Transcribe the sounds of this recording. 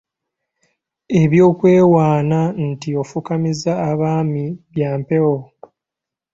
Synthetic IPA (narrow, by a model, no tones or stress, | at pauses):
e̞βjo̞ːkwe̞ːwaːnantio̞fukamizaːβaːmiβjaːmpe̞wo